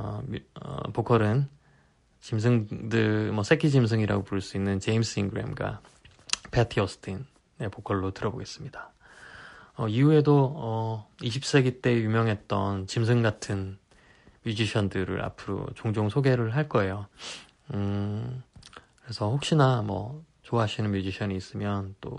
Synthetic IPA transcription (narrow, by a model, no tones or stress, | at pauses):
ʌ̰pokʰʌɾɯn | t͡ɕims̬ʰɯŋdɯmʌs͈ʰekʰid͡ʑims̬ʰɯŋiɾa̰ɡopoɭs͈uinːɯnt͡ɕe̞ims͈ʰɯiŋɡɯɾḛmɡa̰ | pʰetʰiʌsʰɯ̥tʰin | e̞pokʰʌɭːotɯɾʌboɡe̞s͈ɯmɲida | ʌiue̞doʌiɕʰip̚s͈e̞ɡit͈e̞jumjʌŋɦe̞t̚t͈ʌnt͡ɕimsʰɯŋɡatʰɯn | mjud͡ʑiɕʰʌndɯɾɯ̰ɾa̰pʰɯɾo̰t͡ɕoŋd͡ʑoŋsʰoɡe̞ɾɯɭɦaɭk͈ʌe̞jo | kɯɾe̞sʰʌhok̚ɕ͈inamʌ̰ | t͡ɕoaɦaɕʰinɯnmjud͡ʑiɕʰʌɲiːs͈ɯmjʌnt͈o̰